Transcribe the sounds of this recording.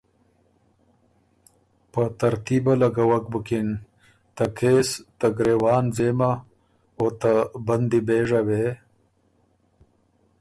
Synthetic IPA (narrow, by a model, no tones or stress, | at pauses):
pət̪aɾt̪ibalaɡawak̚bukin | t̪akʰeːst̪aɡɾewɑːnzema | ot̪aband̪ibeʐawe